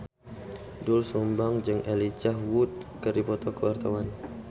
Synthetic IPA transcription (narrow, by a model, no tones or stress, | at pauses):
dʊlsumbaŋd͡ʒɨŋʔelit͡ʃaɦwut̪̚kəɾipɔt̪ɔkəwart̪awan